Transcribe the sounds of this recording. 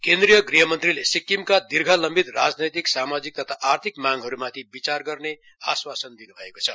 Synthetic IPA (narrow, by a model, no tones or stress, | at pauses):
kend̪ɾijʌɡriɦʌmʌnt̪rilesikːimkad̪irɡʱʌlʌmbit̪rad͡znʌjt̪iksamad͡zik̚t̪ʌt̪ʰaʔart̪ʰikmaŋɡɦʌɾumat̪ʰibit͡sarɡʌrne | a̰swasʌnd̪inubʱʌekot͡sʰʌ